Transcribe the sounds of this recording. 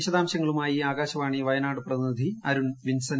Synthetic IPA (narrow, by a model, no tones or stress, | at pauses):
ɕɐðaːmɕɐŋːɐɭumaːjiaːɣaːɕɐʋaːɳiʋɐjɐnaːɽɨprɐðinid̪ʱiɐɾuɳʋinsɐn